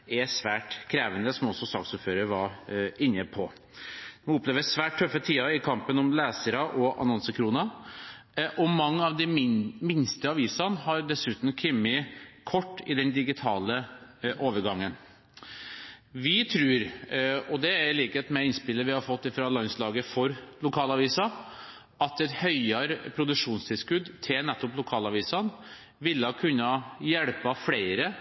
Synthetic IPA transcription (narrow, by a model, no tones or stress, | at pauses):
ɛsʋæːʈkʰɾeːʋənd̪əsɔmɔsːɔsɑ̰ːksupføːɾəɾʋɑɾɪnːəpʰɔ | uʊpleːʋəsʋæːʈ̚ʰːœfːət̪ʰiːɑɪkʰɑmpənɔmlæːsəɾɑʔɔʔɑ̰nɔnsəkʰɾuːnɑ | ʔɔmɑŋːəɑʋd̪ɪmɪnst̪əɑʋiːsɑnhɑɾɖ̪ɛsʉːt̪n̩kʰʏmːɪkʰɔʈːɪd̪ɛnd̪ɪɡɪt̪ʰɑːləʔoːʋəɾɡɑŋːən | ʋɪt̪ʰɾʉːɾɔd̪ɛæɾɪliːkɛt̪mɛɪnspɪlːəɾʋɪhɑɾfɔt̪ːɪfɾɑlɑnslɑːɡəfɔɾlʊkʰɑːlɑʋiːsɑ | ʔɑt̪ɛt̪hœʏɑɾpʰɾʊd̪ʉʂuːnst̪ʰɪlskʉd̪t̪ʰɪlnɛt̪ːɔplʊkʰɑːlɑʋiːsɑn | ʋɪlːəɑkʰʉnːɑjɛɽpɑflæɪɾə